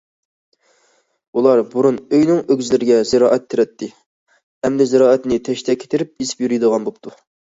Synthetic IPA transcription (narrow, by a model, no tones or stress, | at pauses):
ulˠɑɾbuɾunøjnɪŋøɡʲzɪlɪɾɪɡʲɛzɪɾɑːʔɛt̪ʰːeɾɛt̪ʰːɪ | hɛmd̪ɛzɪɾɑːɛt̪nɪt̪ʰɛʃt̪ʰɛkʲʰe̥t̪ʰɪɾɪp̚esɪ̥pjyɾyjd̪əʁɑnbop̚t̪ʰu